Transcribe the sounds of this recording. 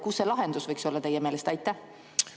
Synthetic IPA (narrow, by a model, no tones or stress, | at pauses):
kusːelɑɦe̞nd̪usvɤjkso̞lːɑt̪e̞jːemeːlest̪ɑjt̪ːˑæh